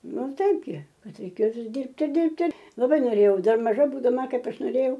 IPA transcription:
ˈnʊ ˈtɐɪp ɡʲɪ ˈkɐt rʲɛɪˈkʲeːjoː ˈʋʲɪs ˈdʲiːrʲpʲtʲɪ ˈdʲɪrʲpʲtʲɪ lˠɐˈbɐɪ noːˈrʲeːjɛʊ ˈdɐr mɐˈʒɐ buːdɐˈmɐ ˈkɐɪp ˈɐʃ noːˈrʲeːjɛʊ

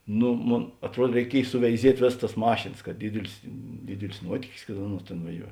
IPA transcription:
ˈnʊ ˈmoːn ɐtˈruɔt rʲɛɪˈkʲiɛj sʊʋʲɛɪˈzʲiɛtʲ ˈʋʲeːs tɐs ˈmɑːʃʲeːnɐs kɐt ˈdʲɪdʲɪlʲɪs ˈdʲɪdʲɪlʲɪs ˈnuɔtʲiːkʲɪs kɐt ˈɑːˌnuɔs ˈtʲeːn ʋɐˈʒʲuɔ

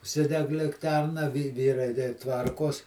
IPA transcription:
ʊʃʲˈsʲɪdʲɛk lʲɪkˈtʲɛrnɐ ʋʲɪ ˈʋʲiːrɐɪ dʲɛɪ ˈtʋɐrkoːs

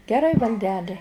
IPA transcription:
ɡʲɛˈrɐɪ ʋɐlʲˈdʲæːlʲɪ

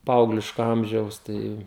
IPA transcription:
ˈpɐɐʊɡlʲɪʃkoː ˈɐmʲʒʲɛʊs ˈtɐɪ

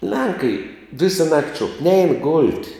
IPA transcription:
ˈlʲɛŋkɐɪ ˈʋʲɪsɐ nɐktʲ ʃuɔk nʲɛɪn ɡoːlʲtʲ

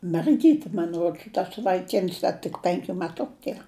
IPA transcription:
mʲɛrʲˈɡʲiːtʲɪ mɐn ˈruɔts tɐs ʋɐɪˈkʲɪns ˈdɐ tʲɪk ˈpʲɛŋʲkʲʊ mʲɛˈtʊkʊ ˈtʲiɛ

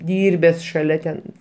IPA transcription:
ˈdʲiːrʲbʲɛs ʃɐˈlʲɛ tʲɛn

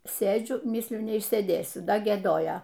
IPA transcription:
ˈsʲeːd͡ʒʲʊ ˈmʲiːsʲlʲʊ nʲɛɪʃʲsʲeːˈdʲeːsʲʊ ˈdɐ ɡʲiɛˈdoːjoː

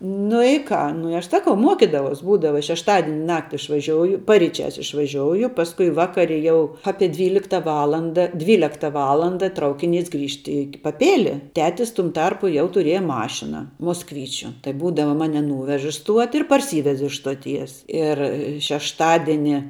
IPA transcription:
nʊ ɪ ˈkɑː nʊ ɪ ˈɐʃ ˈsɑːkɐʊ ˈmuɔkʲɪdɐʋɐʊs ˈbuːdɐʋɐ ʃʲɛʃˈtɑːdʲɪnʲɪ ˈnɑːktʲɪ ɪʃʋɐˈʒʲoːʊjʊ pɐrʲiːˈt͡ʃʲæːs ɪʃʋɐˈʒʲoːʊjʊ ˈpɑːskʊɪ ˈʋɑːkɐrʲɪ jɛʊ ˈɑːpʲiɛ ˈdʲʋʲiːlʲɪktɐ ˈʋɑːlˠɐndɐ ˈdʲʋʲiːlʲɛktɐ ˈʋɑːlˠɐndɐ ˈtrɐʊkʲɪˌnʲiːs ˈɡrʲiːʃt iː pɐˈpʲeːlʲɪ ˈtʲæːtʲɪs tʊm ˈtɐrpʊ jɛʊ tʊˈrʲiɛjɛ ˈmɑːʃʲɪnɐ moːsˈkʋʲiːt͡ʃʲʊ tɐɪ ˈbuːdɐʋɐ ˈmɑːnʲɪ ˈnuːʋʲɛʃ ɪ ˈstuɔtʲɪ ɪr pɐrʲˈsʲiːʋʲɛs ɪʃ stoːˈtʲiɛs ɪr ʃʲɛʃˈtɑːdʲɪnʲɪ

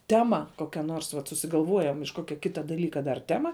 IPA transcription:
ˈtʲæːmɐ ˈkoːkʲɛ noːrs ʋɐt sʊsʲɪɡɐlˠˈʋuɔjɛm ɪʃ ˈkoːkʲɛ ˈkʲɪtɐ dɐˈlʲiːkɐ dɐr ˈtʲæːmɐ

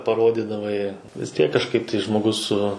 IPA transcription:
pɐˈroːdʲɪdɐʋɐɪ ʋʲɪs ˈtʲiɛk kɐʃˈkɐɪp tɐɪ ʒmoːˈɡʊs sʊ

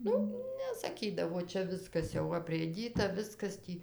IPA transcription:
ˈnʊ nʲɛsɐˈkʲiːdɐʋoː ˈt͡ʃʲɛ ˈʋʲɪskɐs jɛʊ ɐpʲrʲeːˈdʲiːtɐ ˈʋʲɪskɐs ˈtʲiː

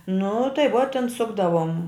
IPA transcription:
nʊ tɐɪ ʋuɔ tʲɛn ˈsʊɡdɐʋoːm

